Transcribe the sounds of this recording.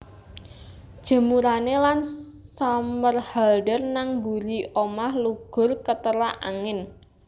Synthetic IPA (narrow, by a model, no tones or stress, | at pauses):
d̥ʒ̥ə̤muɾanelansamərhalɖərnaŋbuɾiomahluɡ̥ʊ̤rkət̪əɾaʔa̰ŋɪn